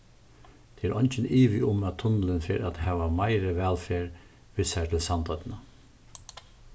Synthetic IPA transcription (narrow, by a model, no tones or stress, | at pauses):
t̪ʰɛːæɾʔɔɲt͡ʃɪniːʋɪʔʊmæt̪ʰʊnələnfɪɾat̪hɛːʋamaɪɾəʋɛlfeːɹ | ʋɪshat̪ʰɪlsant̪ʰɔt̪nə